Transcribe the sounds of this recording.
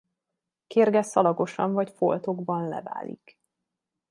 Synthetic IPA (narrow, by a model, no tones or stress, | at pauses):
keːrɡɛsɒlɒɡo̞ʃɒɱvɒcfolt̪o̞ɡbɒnlɛ̰va̰ːlḭk